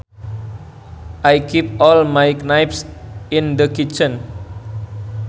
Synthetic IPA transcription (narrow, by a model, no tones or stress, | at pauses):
ʔajkʰipɔlmajknajpsĩnd̪əkit͡ʃə̃n